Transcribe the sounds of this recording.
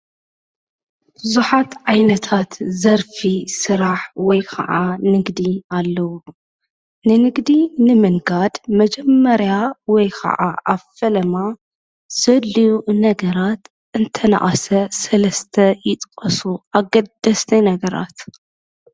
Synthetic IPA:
bɨzuħat̪ʕajnɐt̪ʰat̪zɐɾfisɨɾaħwɔjkʰɐ̰ʕanɨɡd̪ialːɐwu | nɨnɨɡd̪inɨmɨnɡad̪mɐd͡ʒɛmːɐɾjawɔjkʰɐ̰ʕaʔaβfɐlɐma | z̥ɐlijunɐɡɐɾat̪ | ʔɨnt̪ʰɐna̰ʔʼasɐsɐlɐst̪ʰɐjɪt̪ʼkʼɐsuʔaɡɐd̪ːɐst̪ʰɐjnɐɡɐɾa̰t̪

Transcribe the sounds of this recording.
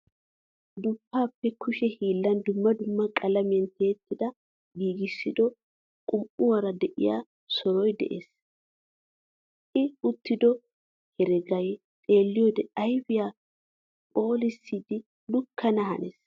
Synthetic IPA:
d̪ʊpːaːpːɛkʰʊʃɛhiːlːɐnd̪ʊmːɐd̪ʊmːɐkʼɐlɐmɪjɐnt̪ʰe̞ːt̪ːɪd̪ɐ | ɡiːɡɪsːɪd̪ɔ | kʼʊmʔʊwɐɾɐd̪ɛʔɪ̰ja̰ː | sɔɾɔjd̪ɛ̰ʔḛːs | ʔɪʊt̪ːɪd̪ɔ | hɛɾɛɡɐj | t̪ʼe̞ːlːɪjoːd̪ɛɐjbɪjaː | pʼo̞ːlɪsːiːd̪ɪ | lʊkʰːɐnɐɦɐ̰neːs

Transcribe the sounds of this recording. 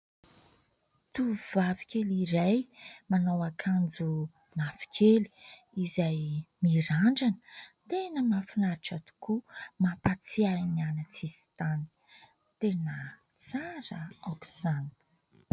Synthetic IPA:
t̪uvavi̥kʲeliɾajmanawakʰand͡zu | nafi̥kʲʰeli̥ | izajmiɾaɳɖ͡ʐanə̥t̪enəmafinaɾiʈ͡ʂat̪u̥kumapat͡sianianat͡sizi̥t̪ani̥ | t̪enə | t͡saɾəaku̥san

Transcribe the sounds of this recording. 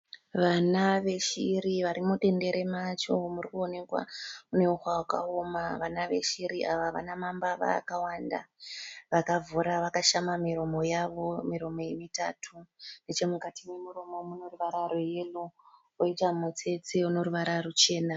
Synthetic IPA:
ʋanaʋe̞ʃiɾiʋaɾimuɗe̞nde̞ɾe̞mat͡ʃo̞murikuone̞kwa̰une̞uxwawaka̰omaʋanaʋe̞̰ʃiɾiʔaʋaʋa̰namambaʋa̰ːkawanda̰ʋakavuɾaʋakaʃamamiɾo̞mo̞jaʋo̞miɾo̞mo̞je̞mita̰tʰunet͡ʃe̞mukatime̞muɾo̞mo̞muno̞ruʋaɾaɾoje̞lu | oitamut͡se̞t͡seuno̞ruʋaɾarut͡ʃe̞ːna

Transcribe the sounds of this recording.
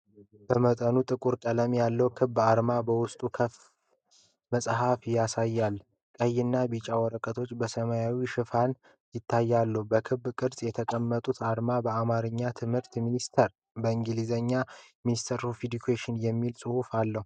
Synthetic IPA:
b̥əmət̪ʼənut̪ʼɨkʼuɾkʼələmjalːəwkʰɨβːaɾmabəwʊst̪ʼukʰəf | məsʼɦafjasajːal | kʼəjːɪnːabit͡ʃʼawɔɾəkʼət̪ʰo̞t͡ʃːbəsəmajawiʃɨfan | jɪt̪ʰːajːalːəhubəkʰɨβːkʼɨɾsʼjɛt̪ʰəkʼəmːət̪ʼut̪ʰaɾmabəamaɾɨɲːat̪ʰɨmhɨɾt̪minist̪ʰəɾ | bəɨŋɡɨlizəɲːaminist̪ʰəɾofid̪ukʰeʃɪnjɛmːilsʼɨhufalːəhu

